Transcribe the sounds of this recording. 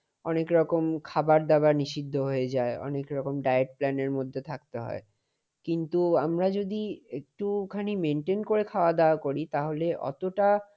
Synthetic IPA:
ɔnekɾɔkomkʰabaɾd̪abaɾniʃid̪ʱːoɦojed͡ʑaeɔ̰nekɾɔkomɖajeʈ̚plɛneɾmod̪ʱːet̪ʰak̚t̪eɦɔ̰e | kint̪uamɾad͡ʑod̪iek̚ʈukʰanimeɳʈenkoɾekʰaoad̪aokoɾit̪aɦoleʔɔ̰t̪oʈa

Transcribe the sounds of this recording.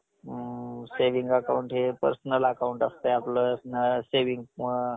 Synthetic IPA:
seʋiŋɡəkauɳʈɦepə̰ɾsnəlakauɳʈast̪əapləːsnəseʋiŋɡ

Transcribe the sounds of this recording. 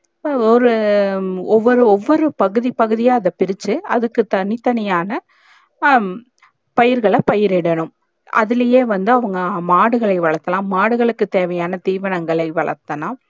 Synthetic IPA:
ɔɾɯ | ɔʋːɔɾɯɔʋːɔɾɯpɐɣɯðipɐɣɯðɪjaːɐðɐpɪɾɪt͡ʃːɯɐðɯkːɯt̪ɐnɪt̪ːɐnɐjaːnɐ | pɐjɪɾɣɐɭɐpɐjɪɾɪɽɐnɯm | ʔɐ̰ðɪlɐjeːʋɐnd̪ɯɐʋɐŋɡɐmaːɽɯɣɐɭɐɪʋɐɭɐt̪ːɐlãːmaːɽɯɣɐɭɯkːɯt̪eːʋɐjaːnɐt̪iːʋɐnɐŋɡɐɭɐɪʋɐɭɐ̰ɾt̪ːɐnãː

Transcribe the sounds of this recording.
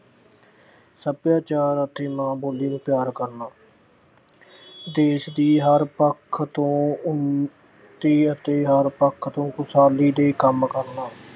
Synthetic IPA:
səbjaːt͡ʃaːɾət̪ʰeːmãːboːliːnũːpjaːɾkəɾnaː | d̪eːʃd̪iːɦəɾpəkʰːt̪õːʊ | t̪iːət̪eːɦəɾpəkʰːt̪õːkʊsaːliːd̪eːkəmkəɾnaː

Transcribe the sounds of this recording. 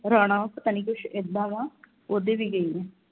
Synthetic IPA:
ɾaːɽ̃ãːpət̪aːniːkʊʃɪd̪ãːʋãː | oːd̪eːʋiːɡəiːɛ̃

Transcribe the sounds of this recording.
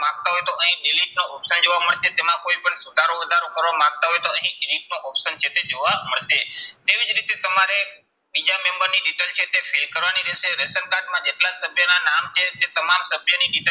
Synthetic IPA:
ãɡ̚t̪aɦojet̪oəɦĩɗiliʈ̚noʔɔpʃənd͡ʒoʋaməɭset̪emãkoipəɳsʊd̪ʱaɾoʋəd̪ʱaɾokəɾʋamãɡ̚t̪aɦojt̪oəɦĩɪliʈ̚noʔɔpʃənt͡ʃʰet̪ed͡ʒoʋaməɭset̪eʋid͡ʒɾit̪et̪əmaɾe | bid͡ʒamẽmbəɾniɗiʈəlt͡ʃʰet̪efʰilkəɾʋaniɾeseɾesənkaʈmãd͡ʒeʈlasəbʱjənanamt͡ʃʰet̪et̪əmamsəbʱjəniɗiʈə

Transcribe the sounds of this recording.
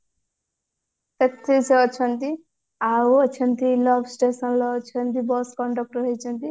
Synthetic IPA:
t̪et̪ʰːiset͡ʃʰʌnt̪i | aʌt͡ʃʰʌnt̪ilʌbsʈesʌnlʌt͡ʃʰʌnt̪ibʌskɔɳɖʌk̚ʈɾɦʌjt͡ʃʰʌnt̪i

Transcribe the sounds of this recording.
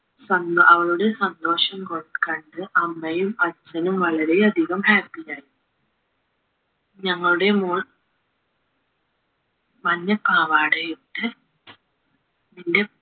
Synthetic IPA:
sɐnɐʋɐɭuɽe̞sɐnd̪o̞ːʂɐmkoɭɐkːɐɳɖɨʔɐmːɐjumɐt͡ɕːɐnumʋɐɭɐɾe̞ɐd̪ʱiɣɐmhaːpːijaːji | ɲɐŋːɐɭuɽe̞muːɭ | mɐnːɐpaːʋaːɽejuʈːɨ | ninde̞

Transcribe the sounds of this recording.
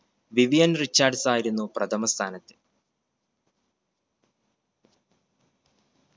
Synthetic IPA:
ʋiʋijɐnrit͡ɕːaːrɖsaːjiɾunːuprɐt̪ʰɐmɐst̪ʰaːnɐt̪ːɨ̥

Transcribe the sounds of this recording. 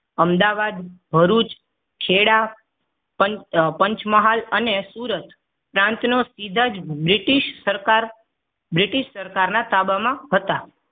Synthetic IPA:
əmd̪aʋad̪bʱəɾut͡ʃ | kʰeɽa | pəpəɲt͡ʃməɦalənesuɾət̪ | pɾãnt̪nosid̪ʱad͡ʒbɾiʈiʃəɾaɾ | bɾiʈiʃsəɾkaɾnat̪abamãɦət̪a

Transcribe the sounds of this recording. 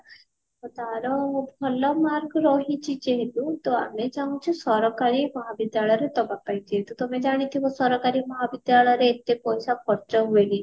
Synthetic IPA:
ɔd̪aɾɔbʱɔlɔmaɾɡɔɾɔɦit͡ʃʰid͡ʒeɦet̪ut̪oa̰med͡ʒaw̃t͡ʃʰusɔɾɔkaɾimɔɦabid̪jaɭɔjɔɾet̪ɔbapajd͡ʒeɦet̪ut̪omed͡ʒaɽ̃it̪ʰibɔsɔɾɔkaɾimɔɦabid̪jaɭɔjɔɾeːt̪epɔjsakʰɔɾt͡ʃɔɦueli

